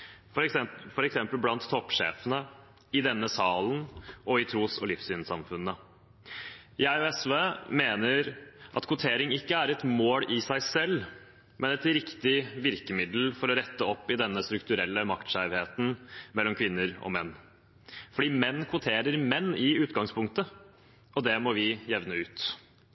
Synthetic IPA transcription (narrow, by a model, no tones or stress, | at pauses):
fɔɾɛksɛmpəlblɑnt̪ʰːɔpʂḛːfənə | ɪd̪ɛnːəsɑːlənɔɪt̪ʰɾuːsɔlɪfsyːnsɑmfʉnːə | ɪɑɪɛsʋeːmeːnəɾʔɑ̰t̪kʰʊt̪ʰeːɾɪŋɪkːəæɾɛt̪moːlɪsæɪsɛlː | mʔɛnɛt̪ɾɪkt̪ɪʋɪɾkəmɪd̪l̩fɔɾɔɾɛt̪ːəɔpːɪd̪ɛnːəst̪ɾʉk̚t̪ʉɾɛlːəmɑkt̪ʃæɪʋheːt̪n̩mɛlːɔmkʰʋɪnːəɾɔ̰mɛnː | fɔɖiːmɛnːkʰʋʊt̪ʰeːɾəɾmɛnːɪʉːt̪ɡɑŋspʰʊŋkt̪ə | ɔd̪ɛmɔʋɪjɛʋnəʉːt̪